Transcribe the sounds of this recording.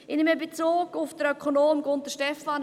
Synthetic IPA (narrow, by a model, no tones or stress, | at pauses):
ɪnməbet͡soːɡ̥ʊfd̥əɾœkʰonoːmɡʊntəʃtɛfan